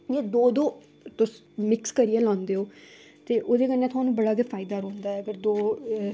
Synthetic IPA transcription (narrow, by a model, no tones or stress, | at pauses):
jeːd̪oːd̪oː | t̪ʊs | mɪkskəɾiːɛːlãːnd̪eːɦoː | t̪eːʔoːd̪eːkənːjãːt̪̬ʰʊɦaːnũːbəɽaːɡepʰaːɪd̪aːɾõːnd̪aːɛːəɡəɾd̪oː